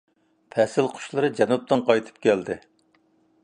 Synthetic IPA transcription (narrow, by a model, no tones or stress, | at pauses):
pʰɛsɪlqʰʊ̥ʃlˠɨɾɨd͡ʒɛnup̚t̪ɨnqʰɑjt̪ʰɨ̥p̚kʲɛld̪ɪ